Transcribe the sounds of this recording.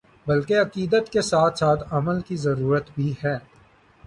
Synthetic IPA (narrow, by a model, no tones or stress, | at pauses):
bɐlkeɐqiːd̪ət̪kesaːt̪ʰsaːt̪ʰɐməlkizɐɾuːɾət̪bʱiɦɛː